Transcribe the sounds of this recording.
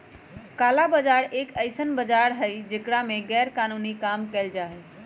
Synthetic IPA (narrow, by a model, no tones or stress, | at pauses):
kaːlabəd͡ʒaɾekəɪsənbəd͡ʒaɾɦəjd͡ʒekɽamẽɡɛːɾkanunikamkɛɪld͡ʒaɦɛ